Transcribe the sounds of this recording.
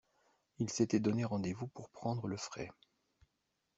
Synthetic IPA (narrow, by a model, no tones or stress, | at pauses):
ilset̪ɛd̪ɔneʁɑ̃d̪evupuʁpχɑ̃d̪ʁələfχɛ